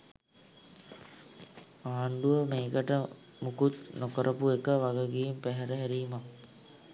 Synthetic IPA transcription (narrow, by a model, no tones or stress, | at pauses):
aːɳɖuʋəmeːkəʈə | mukut̪nokəɾʔəpuekəʋaɡəɡijempæɦɛɾəɦæɾiːmak